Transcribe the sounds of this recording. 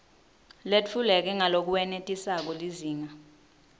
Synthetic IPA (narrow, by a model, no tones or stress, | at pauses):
let͡fʰulɛk̬ɛŋalok̬uwɛnetʼisak̬ɔliziːŋa